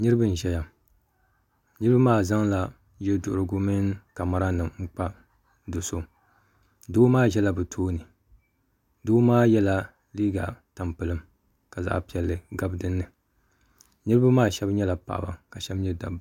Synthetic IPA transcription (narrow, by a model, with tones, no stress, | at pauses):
nɨ˦ɾɨ˦bɨ˦n˨ʒɛ˦ja˨ | nɨ˦ɾɨ˦ba˦maː˦˨za˦ŋla˨ | ʒɛ˦dʊ̰˨ʔɾɨ˨ɡʊ˦mi˦n˦ka˨ma˦ɾa˦nɨ˨ŋŋ͡m̩˦k͡pa˦ | dʊ˨so˦ | doː˦maː˦ʒɛ˦la˨bɨ˨tʰoː˦nɨ˨ | doː˦maː˦jɛ˦la˦ | liː˦ɡa˨ta˨mpɨ˨lɨ˦m | ka˨za̰˦ʔpi˨ɛ˨lːɨ˨ɡa˦bdɨ˦nːɨ˨ | nɨ˦ɾɨ˦ba˦maː˦ʃɛ˦bɲɛ˦la˨pa̰˨ʔa̰˨ba̰˨ka˨ʃɛ˦bɲɛ˦da̰˨b